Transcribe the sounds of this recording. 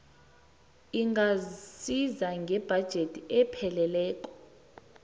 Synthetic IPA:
iŋʱasizaŋɡʱɛb̥ʱad̥ʒ̥ʱetʰʼiɛpʰɛlɛlɛːkʼɔ̥

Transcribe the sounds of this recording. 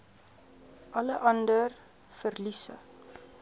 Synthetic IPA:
ʔɐləʔɐndər | fərlisə̰

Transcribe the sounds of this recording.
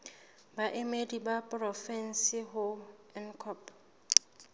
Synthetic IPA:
baʔemedibapʼrɔfɛn̩sɪɦʊɛn̩kʰɔp

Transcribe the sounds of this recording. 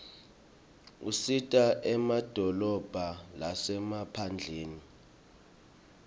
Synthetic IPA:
usitʼaʔɛmad̥ʱɔlɔb̥ʱalasɛmapʰand͡ɮʱeːni

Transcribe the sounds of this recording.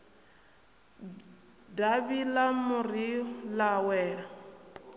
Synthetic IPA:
daβilamuɾilawɛːɺa

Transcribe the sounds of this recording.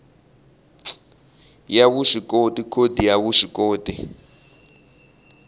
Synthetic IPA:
jaβuʃikʼotʼikʰodʱijaβuʂikoːdi

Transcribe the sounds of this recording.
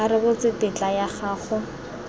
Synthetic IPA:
aɾɪbʊt͡sɪpɪt͡ɬajaχaːχʊ

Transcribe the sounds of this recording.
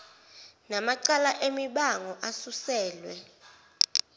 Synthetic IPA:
namaǀalaʔemiɓaŋɔʔasusɛːlwɛ

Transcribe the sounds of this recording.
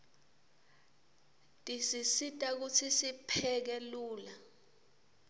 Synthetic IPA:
tʼisisitʼak̬ut͡sʰisipʰɛk̬ɛluːla

